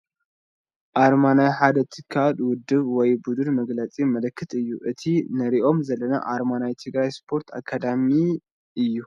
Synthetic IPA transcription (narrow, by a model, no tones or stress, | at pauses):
ʔaɾmanajħad̪ɐt̪ʰɨkʰːalwʊd̪ːɨβwɔjbud̪unmɐɡlɐt͡sʼimɐlɐkʰːɨt̪ʼɨjːuʔɨt̪ʰinɐɾiʔo̞mzɐlːɐnɐ̰ʔaɾmanajt̪ʰɨɡɾajspʰo̞ɾt̪ʰa̰kʰːad̪ami | ʔɨjːu